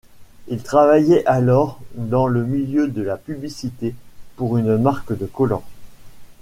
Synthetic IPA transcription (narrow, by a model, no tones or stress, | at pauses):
ilt̪χavajɛʔalɔʁd̪ɑ̃ləmiljød̪əlapyblisit̪epuʁynmaʁkd̪əkɔlɔ̰̃